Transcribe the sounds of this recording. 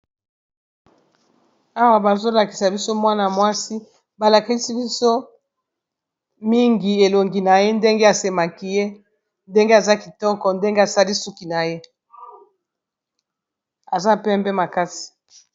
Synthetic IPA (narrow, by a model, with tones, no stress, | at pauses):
a˦wa˨ba˨zo˦la˨ki̥˨sa˨bi˦so˦mwa˦na˨mwa˦si˦ | ba˨la˨ki˦si˦bi˦so˦ | mi˦ŋɡi˨e˨lo˨ŋɡi˨na˨je˦nde˦ŋɡe˦a˨se˨ma˨ki˦je˦ | nde˦ŋɡe˦a˨za˦ki˨tɔ˦kɔ˨nde˦ŋɡe˦a˨sa˦li˦su˦ki˨na˨je˦ | a˨za˦pɛ˦mbɛ˦ma˨ka˦si̥˨